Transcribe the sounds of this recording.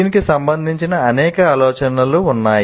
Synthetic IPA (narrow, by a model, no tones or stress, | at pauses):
inikisɐmbɐnd̪ʱiɲt͡ʃinɐːnɛːkɐaːlɔːt͡ʃɐnɐluunːaːj